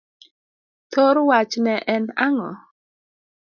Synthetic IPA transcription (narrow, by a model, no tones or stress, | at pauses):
tʰoɾwat͡ʃnɛʔɛnaŋɔ